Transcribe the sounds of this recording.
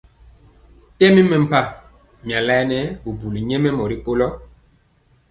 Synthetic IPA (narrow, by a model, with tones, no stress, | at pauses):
tɛ˦mi˦mɛ˨m̩˨pa˦ | m˨a˨lɛ˦nɛ˦bu˨bu˨li˨ɲɛ˦mɛ˦mɔ˨ɾi˦k͡po˦lɔ˦